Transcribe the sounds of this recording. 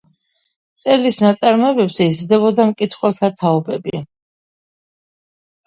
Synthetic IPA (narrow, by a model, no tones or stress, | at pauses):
t̪sʼɛlisnat̪sʼaɾmɛbɛpsɛizd̪ɛbɔd̪amkʼit̪sʰχwɛlˠt̪ʰat̪ʰaɔbɛbḭ